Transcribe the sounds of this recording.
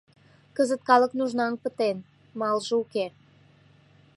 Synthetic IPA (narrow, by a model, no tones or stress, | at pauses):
kəzət̪̚kɑləknuʒnɑŋpət̪en | mɑlʒəuke